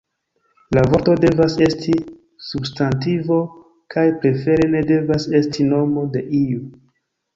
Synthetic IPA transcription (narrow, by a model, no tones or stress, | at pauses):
lavo̞ɾto̞de̞vase̞sti | substantivo̞ | kʰajpɾe̞fe̞ɾe̞ne̞de̞vase̞stʰino̞mo̞de̞ʔiu